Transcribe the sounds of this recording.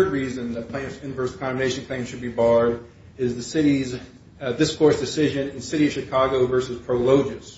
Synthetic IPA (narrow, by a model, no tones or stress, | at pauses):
ə˞d̚ɹizɨ̃nðɨpʰl̥ẽɪ̃nsɪ̃nvɜ˞skʰɑ̃nmeɪʃn̩kʰl̥ẽɪ̃mʃɨd̚bibɑɹɾ | ɪzðɨsɪɾiz | ðɪskʰɔɹsd̥ɨsɪʒɨ̃nɨ̃nsɪɾiʌv̥ʃɨkʰɑɡoʊvɜ˞sɨz̥pʰɹ̥oʊloʊd͡ʒɨs